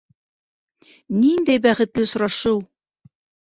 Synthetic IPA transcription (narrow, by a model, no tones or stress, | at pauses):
nind̪æjbæχɘ̆t̪lɘsŏɾɑʃɤw